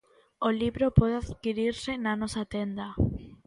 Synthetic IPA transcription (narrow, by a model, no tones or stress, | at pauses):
oliβɾopɔðeaðkiɾiɾsɪnanɔsat̪end̪a